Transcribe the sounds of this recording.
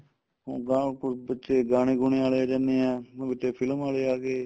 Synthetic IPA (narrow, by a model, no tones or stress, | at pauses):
ɦõ̰ːɡaːbətːʃeːɡaːɽiːɡʊɳeːaːleːaːd͡ʒaːneːɛ̃ːbɪtːeːpʰɪlmaːleːaːɡeː